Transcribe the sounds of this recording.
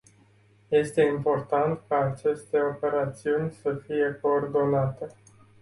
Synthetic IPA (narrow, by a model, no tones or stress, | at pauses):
je̞st̪e̞impo̞rt̪ant̪kaːt͡ʃe̞st̪e̞o̞pe̞ɾat̪siunʲsəfije̞ko̞ːrd̪o̞nat̪e̞